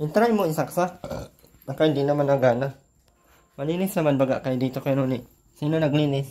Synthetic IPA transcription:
ʔɪnt̪ɾajmoinsaksa | nakajnd̪inamanaɡana | malinɪsnamanbaɡaʔkajd̪it̪okajanunɪʔ | sinonaɡlinɪs

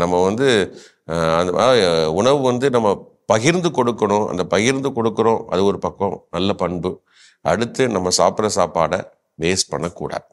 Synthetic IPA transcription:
nɐmːɐʋɐnd̪ɯ | ɐnd̪ɐʊɳɐʋɯʋɐnd̪ɯnɐmːɐ | pɐɣɪɾnd̪ɯkɔɽɯkːɐɳʊ̃ɐ̰nd̪ɐpɐɣɪɾnd̪ɯkɔɽɯkːɯɾõːʔɐ̰ðɯɔɾɯpɐkːɐ̃nɐlːɐpɐɳbɯ | ɐɽɯt̪ːɯnɐmːɐsaːpɪɾɐsaːpaːɽɐ | ʋeːspɐɳːɐkːṵːɽa̰ː

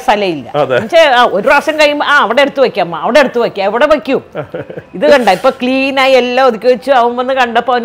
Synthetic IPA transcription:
st̪ʰɐlɐjilːɐ̰ɐɐt͡ɕeaːo̞ɾuɾaːʂrjɐmkɐjijumaːɐʋiɽeeɽut̪ːuʋɐkʲːaːmːaɐʋiɽe̞eɽut̪ːuʋɐkʲːaːiʋiɽeʋɐkʲːu | iðɨkɐɳɖaipːoːkliːnaːjielːaoðikʲːuʋɐt͡ɕːuɐʋɐmʋɐnːɨkɐɳɖɐpːon

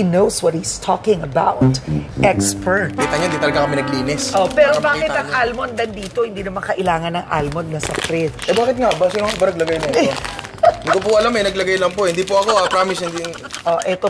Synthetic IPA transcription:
inowswɐt̪̚hist̪ʰɔkɪ̃ŋɐbawt̪ʔɛkspɛkit̪ɐŋjond̪it̪ɐlɐɡakɐmɛnɐɡliːnɪsopɛːɾobaːkɪt̪ɐŋʔalmond̪ɐnd̪iːt̪ohɪnd̪iːnɐmɐŋkɐʔɪlaːŋɐnɐŋʔa̰lmod̪̚nɐsɐfɾɪd̪̚ʔɛbaːkɪt̪̚ŋaʔbasɪnoŋbɐnɐɡ̚lɐɡajnɐɛt̪od̪ɪkop̬ʊɐlamːɛjnɐɡlɐɡajlɐmpohɪnd̪iːpoʔɐkoɐpɾaːmɪshɪnd̪ijŋ | ʔoʔɛt̪o

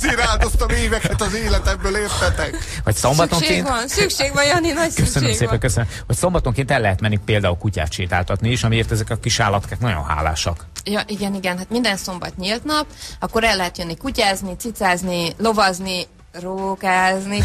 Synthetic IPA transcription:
ziɾaːld̪ost̪ɒmeːvɛkɛt̪ɒzeːlɛt̪ɛmbøːleːrt̪ɛt̪ɛkvɒcsombɒt̪oŋkeːnt̪ɒnssykʃeːɡvɒnjɒninɒckøsønømːseːpɛŋkøsønøm | hocso̞mbɒt̪oŋkeːnt̪ɛlːɛɦɛt̪mɛnːipeːld̪aːulkuca̰ːt̪t͡ʃiːt̪aːlt̪ɒt̪niiʃɒmieːrt̪ɛzɛkɒkiʃaːlːɒt̪kaːknɒɟo̰nɦa̰ːla̰ːʃɒkjɒʔiɡɛniɡɛnɦaːt̪mind̪ɛnso̞mbɒ̰t̪ɲilt̪nɒpɒkːo̞ɾɛlːɛɦɛt̪jønːikucaːznit̪sit̪saːznilo̞vɒzni | roːkaːzni

